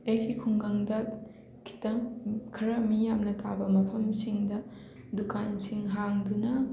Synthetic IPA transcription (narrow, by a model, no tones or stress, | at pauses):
ejkʰikʰuŋɡaŋdɐ | kʰi̥tɐmkʰɐɾɐmijamnɐtʰabɐmɐpʰɐmsiŋdɐ | dukansiŋɦaŋdunɐ